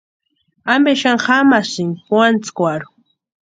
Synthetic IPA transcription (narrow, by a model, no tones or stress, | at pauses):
ambeʃaŋχamasɪŋxwant͡skʷaɾʊ̥